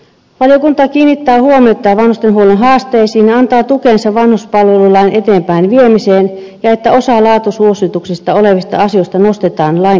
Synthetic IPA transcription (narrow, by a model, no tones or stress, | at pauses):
ʋɑljokunt̪ɑkiːnːit̪ːæːhuomiot̪ːˑɑːʋɑnhust̪enɦuolenɦɑːst̪eːsiːnneɑnt̪ɑːt̪ukensɑʋʋɑnhuspɑlʋelulɑinʔet̪eːmpæˑinʋiemiseːn | jɑet̪ːæosɑlɑːt̪usuosit̪uksist̪ɑoleʋist̪ɑ̰ɑsiost̪ɑnost̪et̪ɑːnlɑi